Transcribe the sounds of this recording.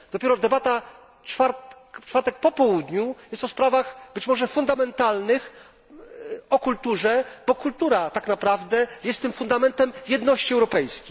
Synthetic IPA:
d̪̥ɔpʲjɛɾɔd̪ɛbat̪a | t͡ʂfaɾt̪kft͡ʂfaɾt̪ɛk̚pɔpɔwud̪ɲujɛst̪ɔspɾavaxbɘt͡ɕmɔʐɛfund̪amɛnt̪alnɘx | ɔkult̪uʐɛb̥ɔkult̪uɾat̪aknapɾavd̪ɛjɛst̪ːɘmfund̪amɛnt̪ɛmjɛd̪nɔɕt͡ɕiɛwɾɔpɛjskʲej

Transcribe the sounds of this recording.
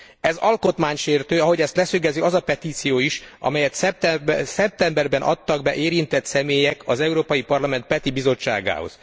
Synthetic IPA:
ɛzɒlko̞t̪maːɲʃeːrt̪øːɒɦo̞ɟɛst̪lɛsøɡɛziɒzɒpɛt̪iːt̪sijoːiʃʔɒ̰mɛjɛt̪sɛsɛp̚t̪ɛmbɛrbɛnʔɒ̰t̪ːɒɡbɛʔeːɾint̪ɛt̪sɛmeːjɛkɒzɛuɾoːpɒjipɒrlɒmɛnt̪̚pɛt̪ibizo̞t͡ʃːa̰ːɡa̰ːho̰z̥

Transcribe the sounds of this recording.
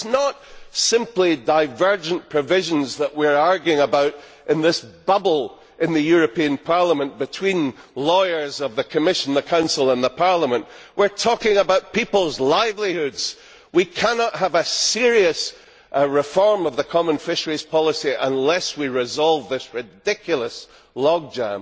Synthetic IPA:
snəʔsɪ̃mplˠidaɪvɜ˞d͡ʒə̃npʰɹ̥ɨvɪʒə̃nzðəʔwiɹaɹɡjʉɪ̃ŋəbaʊʔ | ʔɨ̃nðɪsb̥ʌbl̩ˠ | ɪ̃nðɨjʉɹɨpiə̃npʰaɹlˠəmə̃nb̥ɨtʰw̥ĩnlˠɔɪə˞zʌvðɨkʰəmɪʃə̃n̩ðəkʰãʊ̃nsl̩ˠə̃nðəpʰaɹlˠəmə̃nʔ | wiɹtʰɔkɪ̃ŋəbaʊʔ̚pʰipl̩ˠzlˠaɪvlˠihʉdz̥ | wikʰænəʔɦəvəsiɹiɨs | ɹɪfɔɹmʌvðəkʰɔmə̃nfɪʃə˞iz̥pʰɔlˠəsiʔə̃nlˠɛswiɹɪzɔlˠvðɪsɹɪdɪkʰjl̩ˠəs | lˠɔɡ̚dãʊ̃n

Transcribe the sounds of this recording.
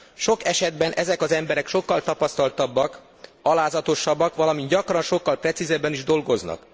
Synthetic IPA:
ʃo̞kɛʃɛd̪bɛnʔɛzɛkɒzɛmbɛɾɛkʃo̞kːɒlt̪ɒpɒst̪ɒlt̪ɒbːɒk | ɒlaːzɒt̪o̞ʃːɒbːɒkʋɒlɒmind̪ɟɒkrɒnʃo̞kːɒlprɛt̪sizɛbːɛniʒd̪o̞lɡo̞znɒ̰k

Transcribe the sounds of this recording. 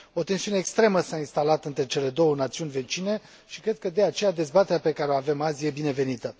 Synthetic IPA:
o̞t̪e̞nsiuneːkst̪ɾe̞məsainst̪alat̪ɨnt̪ɾe̞t͡ʃe̞le̞d̪o̞wənat̪siunʲve̞t͡ʃine̞ | ʃikɾe̞d̪̚kəd̪e̞at͡ʃe̞jad̪e̞zbat̪eɾʲape̞kaɾeoave̞mazʲije̞bine̞ve̞nit̪ə

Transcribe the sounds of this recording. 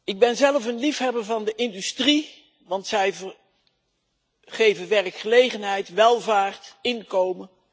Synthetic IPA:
ɪɡ̚bɛnzɛləfənlifɦɛbəɹvɑndəʔɪndystri | ʋɑntsɛjv | χejvənʋɛrəkχəlejχənɦɛjtʋɛlˠvaːɹtɪnkowmə

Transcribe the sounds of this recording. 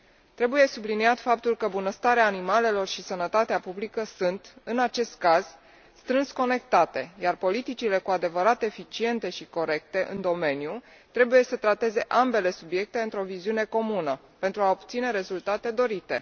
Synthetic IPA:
t̪ɾe̞buje̞subliniat̪fap̚t̪ulkəbunəst̪aɾeaːnimale̞lo̞rʃisənət̪at̪eapublikəsunt̪ɨnat͡ʃe̞st̪̚kaz̥ | st̪ɾɨnsko̞ne̞kt̪at̪e̞̰jarpo̞lit̪it͡ʃile̞kuad̪e̞vəɾat̪e̞fit͡ʃie̞nt̪e̞ʃiko̞ɾe̞k̚t̪e̞ʔɨ̰nd̪o̞me̞nju | t̪ɾe̞buje̞sət̪ɾat̪e̞ze̞ʔambe̞le̞subje̞k̚t̪e̞ɨnt̪ɾo̞viziune̞ko̞munə | pe̞nt̪ɾuaopt̪sine̞ɾe̞zult̪at̪e̞d̪o̞ɾit̪e̞̰

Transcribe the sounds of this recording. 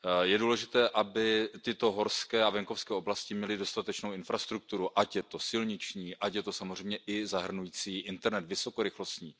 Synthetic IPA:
jɛduːlɛʒɪt̪ɛːʔabɪt̪ɪt̪o̞ɦo̞ɾskɛːavɛŋko̞fskɛːo̞blascɪmɲɛlɪdo̞st̪at̪ɛt͡ʃno̞wɪnfɾast̪ɾuk̚t̪uɾuʔacjɛt̪o̞sɪlɲɪt͡ʃɲiːʔacjɛt̪o̞samozr̝ɛjmɲɛʔɪzaɦr̩nujiːt͡siːʔɪnt̪ɛɾnɛt̪vɪso̞ko̞ɾɪxlo̞st̪ɲiː

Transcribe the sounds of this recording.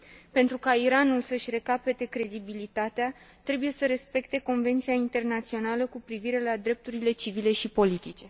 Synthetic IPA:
pe̞nt̪ɾukaiɾanulsəʃʲre̞kape̞t̪e̞kɾe̞d̪ibilit̪at̪ea | t̪ɾe̞buje̞səɾe̞spe̞k̚t̪e̞ko̞nve̞nt̪sijaint̪e̞rnat̪sio̞naləkupɾiviɾe̞lad̪ɾe̞p̚t̪uɾile̞t͡ʃivile̞ʃipo̞lit̪it͡ʃe̞

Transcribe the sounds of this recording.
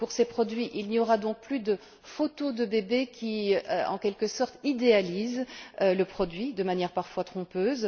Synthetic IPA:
puʁsepχɔd̪ɥiʔilniɔʁad̪ɔ̃k̚plyd̪ə | fot̪od̪əbebekʲʰiøɑ̰̃kʲɛlkəsɔʁt̪id̪ealizøləpχɔd̪ɥid̪əmanjɛʁpaʁfwat̪χɔ̃pøːz

